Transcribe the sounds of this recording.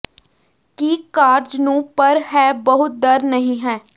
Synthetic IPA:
kiːkaːɾd͡ʒnũːpəɾhɛːbəɦʊt̪̚d̪əɾnəɦĩːɦɛː

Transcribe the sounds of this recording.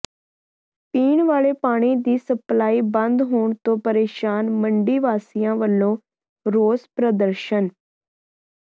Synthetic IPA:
piːɳʋaːɭeːpaːɽ̃iːd̪iːsəplaːiːbə̃nd̪ɦoːɳt̪õːpəɾeːʃaːnməɳɖiːʋaːsɪjãːʋəlːõː | ɾoːzpɾəd̪əɾʃən

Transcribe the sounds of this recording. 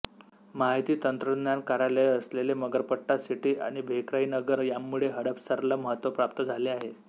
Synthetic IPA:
maɦit̪iːt̪ənt̪ɾəd̪njankaɾalejəsleleməɡəɾpəʈːasiʈiːʔa̰ɽ̃ibʱekɾainəɡəɾjamːuɭeɦəɽəpsəɾlaməɦət̪ʋəpɾap̚t̪əd͡zʱaleaɦe

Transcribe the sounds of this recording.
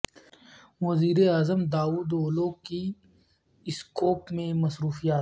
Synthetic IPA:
wɐziːɾeaːzəmd̪aːuːd̪oːloːki | ɪskoːpmẽmɐsɾuːfijaːt̪

